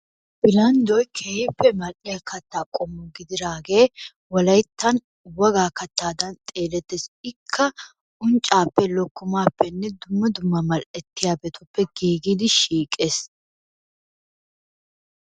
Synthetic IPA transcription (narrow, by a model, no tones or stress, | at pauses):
b̥ɪlɐnd̪ɔjkʰeːhɪpːɛmɐlʔɪjɐkʰɐt̪ːaːkʼɔmːɔɡɪd̪ɪd̪aːɡe̞ː | wɔlɐjt̪ːɐn | wɐɡaːkɐt̪ːaːd̪ɐnt̪ʼe̞ːlɛt̪ːesɪkʰːɐ | ʔʊnt͡ʃʼːaːpːɛlɔkːʊmaːpːɛnːɛd̪ʊmːɐd̪ʊmːɐmɐlʔɛt̪ːɪjaːbɛt̪ʰʊpːɛɡiːɡid̪ɪʃiːkʼeːs